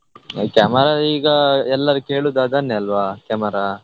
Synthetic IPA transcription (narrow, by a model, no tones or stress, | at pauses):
kamɐɾaiːɡɐɛlːɐɾukeːɭud̪aːd̪ɐnːeɐlʋaːkɐmɐɾa